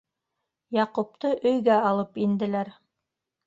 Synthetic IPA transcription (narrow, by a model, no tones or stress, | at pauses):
jɑqup̚t̪ɤʔɵ̆jɡæɑlˠɤpind̪ɘ̆læɾ